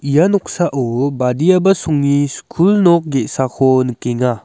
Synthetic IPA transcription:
ijanɔk̚saʔobadijabɐsuŋniskʰulnɔk̚ɡeʔsakʰɔnkeŋa

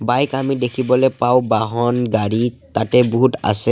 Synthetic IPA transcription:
bajkamidekʰibɔlɛpawbaɦɔnɡaɹitatɛboɦuta̰sɛ

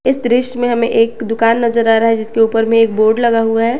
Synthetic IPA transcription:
ɪsd̪ɾɪʃmẽɦɐmẽʔeːkd̪ʊkaːnːɐzəɾaːɾaɦɛd͡ʒɪskeuːpəɾmẽeːk̚boːɾɖlɐɡaɦuaɦɛː

